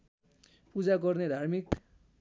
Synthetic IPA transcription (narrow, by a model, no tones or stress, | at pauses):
pud͡zaɡʌrned̪ʱarmik